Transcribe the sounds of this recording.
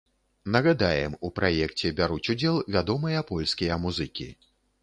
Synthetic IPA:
nɐɣad̪ajɛmupɾajɛkt͡sʲɛbʲaɾut͡sʲud͡zʲɛlˠvʲad̪ɔmɐjɐpɔlʲskʲijɐmuzɨkʲḭ

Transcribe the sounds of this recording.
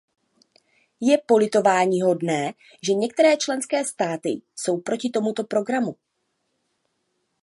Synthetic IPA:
jɛpo̞lɪt̪o̞vaːɲiːɦo̞dnɛː | ʒɛɲɛk̚t̪ɛɾɛːt͡ʃlɛnskɛːst̪aːt̪ɪ̰so̞wpɾo̞cɪt̪o̞mut̪o̞pɾo̞ɡɾamu

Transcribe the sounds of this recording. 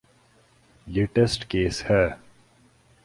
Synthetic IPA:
jiʈesʈkeːshə

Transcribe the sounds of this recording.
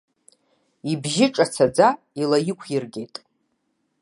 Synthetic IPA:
ibʒɪʈ͡ʂʼat͡sʰad͡za | ilajɪkʷʰjirɡʲe̞jtʼ

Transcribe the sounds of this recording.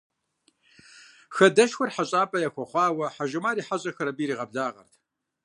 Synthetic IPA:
xɐdɐʃxʷʊrħaɕʼaːpʼɐjaxʷɔχʷɑːwɐħaʒɪmaːɾiːħaɕʼɐxɐɾɐbiːɾiːʁɐbɮaːʁɐ̰rtʰ

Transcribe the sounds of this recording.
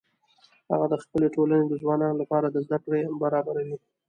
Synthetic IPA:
ha̰ɣad̪əxpəleʈolaned̪əzwɑnɑnolapɑɾad̪əzd̪akɽebaɾɑbaɾawi

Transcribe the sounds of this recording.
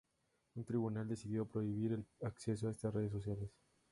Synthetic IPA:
unt̪ɾiβunald̪esiðjo̞pɾo̞iβ̞iɾelakse̞s̬oaest̪asre̞ð̞es̬ːo̞sjales

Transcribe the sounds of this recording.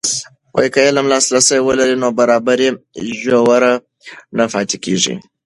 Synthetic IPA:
wo̰jkajelamlaslasajwəlaɾinobaɾabaɾiʒowaɾa | nafaːt̪ekḭʒḭ

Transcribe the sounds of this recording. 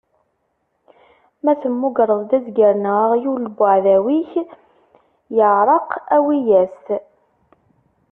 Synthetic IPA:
mæθəmːʊɡɾˤəðˤd̪æzɡəɾnəʁjulbʊʕðæwiç | jəʕɾˤɑqæwijæst̪

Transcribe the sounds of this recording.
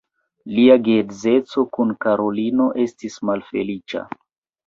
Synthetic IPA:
liaɡedze̞t͡so̞kunkaɾo̞lino̞ʔe̞stismalfe̞̰lit͡ʃa̰

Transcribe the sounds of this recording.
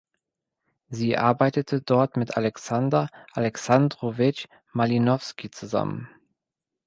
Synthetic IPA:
ziːʔaɐbaɪtətʰədɔɐtmɪtʔalɛksandɐʔalɛksandʁovɪt͡ʃ | malinɔfskit͡suza̰mə̰n

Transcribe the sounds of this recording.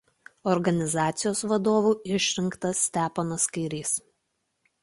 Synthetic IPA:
ɔɾɡɐnʲɪzɑːt̪sʲɪjoːsʋɐd̪oːʋuːɪʃʲɾʲɪŋkt̪ɐsːʲt̪ʲæːpɐnoskɐɪɾʲiːs

